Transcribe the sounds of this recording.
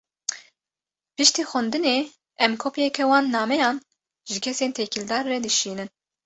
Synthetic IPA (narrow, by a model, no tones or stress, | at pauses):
pɨʃt̪iːxɛnd̪ɨneː | ɛmkʰopjɛkʰɛwɑːnːɑːmɛjɑːn | ʒɨkʲʰɛseːnt̪ʰekʰild̪ɑːɾːɛd̪ɨʃiːnɨn